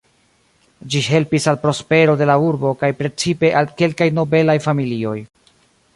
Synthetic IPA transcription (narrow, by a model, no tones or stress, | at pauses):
d͡ʒihe̞lpisalpɾospe̞ɾo̞de̞lauɾbo̞kajpɾe̞t͡sipe̞ʔalke̞lkajno̞be̞lajfamilio̞̰j